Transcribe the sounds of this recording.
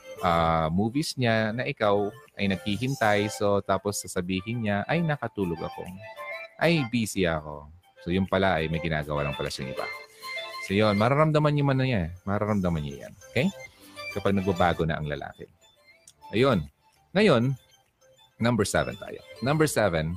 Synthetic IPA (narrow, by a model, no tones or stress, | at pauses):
ʔamuːvisɲanɐʔɪkawʔɐjnɐɡ̚hiɦɪnt̪ɐjsot̪aːposːɐsɐbiːɦɪnɲaʔɐjnɐkɐt̪uːloɡɐ̰ko̞̰ʔɐjbiːsɪɐko̞̰ | sojʊnpɐlaʔɐjmɐjɡɪna̰ːɡɐwa̰ːlɐŋpɐla̰ʃɐŋɪ̰ba̰sojonmɐɾaɾɐmd̪ɐmanɲʊmɐnɐjanmɐɾaɾɐmd̪ɐmanɲo̰ja̰nokɛjkɐpaɡ̚nɐɡ̚bɐbaːɡonɐ̰ʔɐ̰ŋlɐ̰lʔa̰ːkɛ̰ | ʔɐjo̞n | ŋɐjo̞n | ɐmbɛɹsɛ̰vɛ̰nt̪a̰ːjo̰nɐmbɛɹsɛvɛn